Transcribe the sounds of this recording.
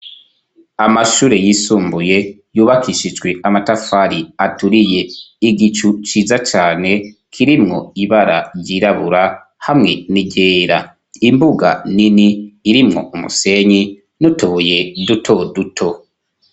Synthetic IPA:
amaʃuːɾe̞jisuːmbuje̞ | juːβakʰiʃid͡ʒɡwe̞ʔamatafaɾiatuɾije̞iɡit͡ʃut͡ʃiːzat͡ʃaːne̞kʰiɾimŋo̞̰iβaɾaɾɟiɾaβuɾa | hamŋe̞niɟe̞ːɾa | imbuɡa̰niniːɾimŋo̞̰umṵse̞ɲi | nutuβuje̞dutʰo̞dutʰo̞

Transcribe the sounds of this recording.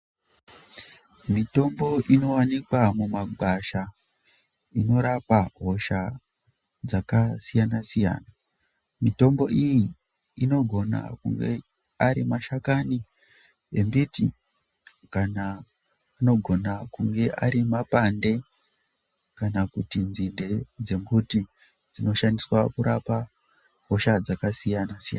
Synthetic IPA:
mito̞mbo̞ʔino̞wanikwamumaɡʱaʃa | ino̞ɾapaɦo̞ʃa | d͡zakasijanasija̰ːna | mito̞mbo̞ʔijiː | no̞ɡʱo̞na̰kṵŋɡe̞ | aɾimaʃakani | embitḭ | kanaː | no̞ɡʱo̞nakuŋɡe̞ʔaɾimapande̞ | kanakutinzinde̞d͡ze̞mbuti | d͡zino̞ʃandiswakuɾapa | ɦo̞ʃad͡zakasijanasija̰n

